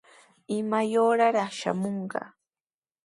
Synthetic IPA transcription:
ɪmajoːɾaɾɑχʃa̰moɴɢɑ̰

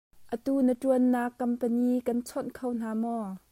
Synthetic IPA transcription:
ʔət̪uːnətuənːaːkːɐmpəniːkɐnt͡sʰɔnkʰown̥aːmɔ

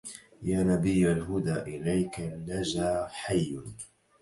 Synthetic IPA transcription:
jaːnabɪjːalɦʊd̪aːʔɪlajkanːad͡ʒaːħajːn

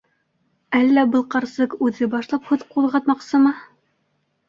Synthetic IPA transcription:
ælːæbɤ̆lˠqɑɾsɤqʉðɘbɑʃlˠɑphʉðqulˠʁɑt̪mɑqsɤmɤ

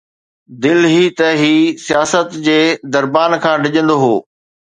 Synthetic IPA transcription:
d̪ɪlɦit̪ɐɦiːsijaːsət̪d͡ʑeːd̪ɐɾbaːnkʰãːɖʱɪʄə̃nd̪oɦoː

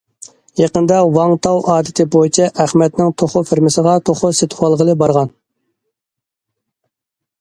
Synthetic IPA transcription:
jɑqənd̪ɑwɑŋt̪ʰɑwʔɑːd̪ɪt̪ʰɪbojit͡ʃʰɛʔæχmɛt̪nɪŋt̪ʰoχʊfɪɾmɪsəʁɑt̪ʰoχʊset̪ʰwɑlˠʁəlˠɨbɑɾʁɑn

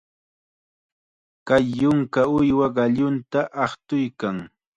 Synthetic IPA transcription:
kajːʊŋkaʊjwaɢɑʎʊnt̪aʔɑχt̪ʊjkaŋ

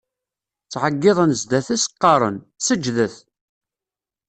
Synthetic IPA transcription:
t͡sːʕəɡːɪðˤənzd̪æθæsə̥qːɑɾˤə̰n | səd͡ʒːðəθ

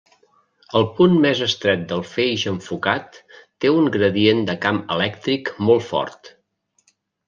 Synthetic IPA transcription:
əlˠpunmɛzəst̪ɾɛt̪̚d̪əlˠfejʒəɱfukat̪ː | euŋɡɾəðiend̪əkamə̰lɛk̚t̪ɾikmɔlˠtfɔ̰rt̪

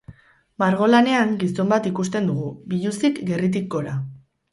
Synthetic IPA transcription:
maɾɣ̞o̞lane̞aŋɡiso̞mbat̪ikust̪e̞nd̪uɣ̞ubiʎusikɡe̞rit̪̬ik̚ːo̞ɾa

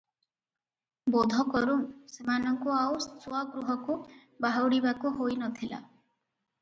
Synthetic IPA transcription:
bɔd̪ʱɔkɔɾuŋsemanɔŋkuawsuaɡɾuɦɔku | baɦawɽibakuɦojnɔt̪ʰila̰

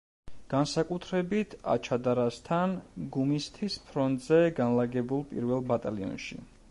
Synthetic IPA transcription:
ɡ̥ansakʼut̪ʰɾɛbit̪ʰa̰t͡ʃʰad̪aɾast̪ʰanɡumist̪ʰispʰɾɔnt̪ʼzɛɡanlaɡɛbulˠpʼḭɾvɛlˠbat̪ʼaliɔ̰nʃḭ

